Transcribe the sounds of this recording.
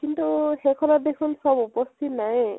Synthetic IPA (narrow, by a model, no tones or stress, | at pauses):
kintuxekʰɔnadekʰunsɔbupɔstimnaj